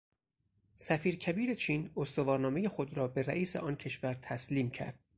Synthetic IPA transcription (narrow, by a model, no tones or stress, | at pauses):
sæfiːɾcʰæbiːɾet͡ʃʰiːnost̪ovɒːɾnɒːme̞je̞xod̪ɾɒːbe̞ɾæ̰ʔiːsḛʔɒːncʰe̞ʃvæɾt̪ʰæsliːmcʰæ̰ɾd̪̥̚